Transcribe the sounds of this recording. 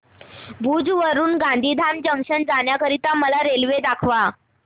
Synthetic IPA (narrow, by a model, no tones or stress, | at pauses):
bʱud͡zʋəɾuːnɡãnd̪ʱiːd̪ʱamd͡ʑəŋkʂənd͡zanjakəɾit̪aməlaɾelʋed̪akʰʋa